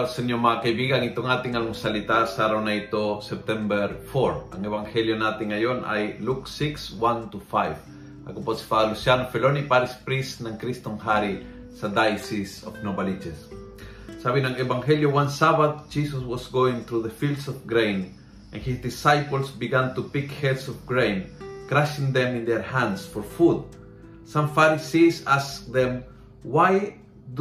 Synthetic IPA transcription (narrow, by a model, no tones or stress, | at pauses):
alsɛnomakajbiɡaŋit̪oŋat̪ɪŋaloŋsalit̪asaɾawnait̪osɛp̚t̪ɛmbɛɾfoɾaŋɛbaŋhɛljonat̪ɪŋːajona̰jluksikswant̪ufajv | a̰koposi̥t̪aalusjanofɛlonipaɾispɾisnaŋkɾist̪oŋɦaɾi | sad̪ajsisofnobalid͡ʒɛs | savĩnãnevãŋheljowãnsabad̚d͡ʒisəswɔsɡoɪ̃ŋθɾuðəfilˠdsɔfɡɹẽɪ̃n | ʔãnhisd̪isajpəl̩sbiɡãnt̪upikhɛdsɔvɡɹẽɪ̃nkɾaʃɪ̃ŋðɛ̃mɪ̃nd̪ɛɹhæ̃ndsfɔɹfud̪̚ | sʌ̃ɱfaɾisisask̚ðɛ̃m | waj | d̪